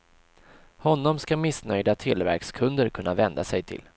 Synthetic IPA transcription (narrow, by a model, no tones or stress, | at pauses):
hɔnːɔmskamɪsnœjd̪at̪ʰɪlvæ̰ɾkskʰɵnd̪əɾkʰɵnːavɛnd̪asɛjt̪ʰɪ̰l